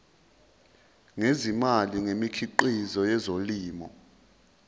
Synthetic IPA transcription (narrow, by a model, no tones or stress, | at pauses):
ŋezimaliŋemikʰiǃizɔjɛzoliːmɔ